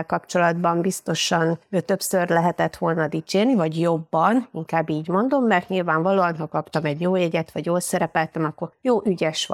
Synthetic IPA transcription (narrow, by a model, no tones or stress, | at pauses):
lkɒpt͡ʃo̞lɒd̪bɒmbist̪o̞ʃɒnøːt̪ø̞psørlɛɦɛt̪ɛt̪ʋo̞lnɒd̪it͡ʃeːrnivɒɟjo̞bːɒniŋkaːbːiːɟmo̞nd̪o̞mːɛrt̪ɲilvaːɱvɒloːɒnɦɒkɒpt̪ɒmɛɟjoːjɛɟɛt̪ʋɒɟjoːlsɛɾɛpɛlt̪ɛmɒkːo̞rjoːʔyɟɛʃʋ